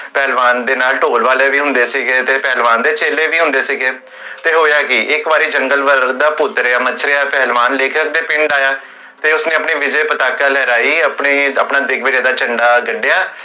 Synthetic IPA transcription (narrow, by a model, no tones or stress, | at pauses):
pɛːlʋaːnd̪eːnaːlʈoːlʋaːleːʋiːɦʊ̃nd̪eːsiːɡeːt̪eːpɛːlʋaːnd̪eːt͡ʃeːleːʋiːɦʊ̃nd̪eːsiɡeː | t̪eːɦoːjaːkɪʔɪkʋaːɾiːd͡ʒəŋɡəlʋəɾd̪aːpʊt̪ɾaːmət͡ʃʰɾeaːpɛːlʋaːnleːkʰək̚d̪eːpɪ̃ɳɖaːjaː | t̪eːʊsnẽːəpɳiːʋɪd͡ʒeːpət̪aːkaːlɛːɾaːiːəpɳeːəpnaːd̪ɪɡʋɪːɖeːd̪aːt͡ʃəɳɖaːɡəɖːejaː